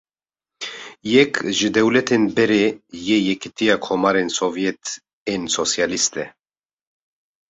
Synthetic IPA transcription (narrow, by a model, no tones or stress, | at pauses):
jɛkʒɨd̪ɛwlɛt̪enbɛɾejɛjɛkit̪ijakʰɔmaɾensovjɛt̪ | ensosjalist̪ɛ